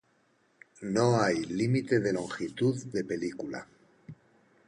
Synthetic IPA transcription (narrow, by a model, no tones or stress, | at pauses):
noajlimit̪e̞ðe̞lo̞ŋxit̪uððe̞pe̞likula̰